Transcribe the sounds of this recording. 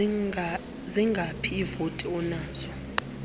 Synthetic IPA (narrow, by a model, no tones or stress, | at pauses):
ziŋɡʱapʰiːvotʼiɔnaːz̥ɔ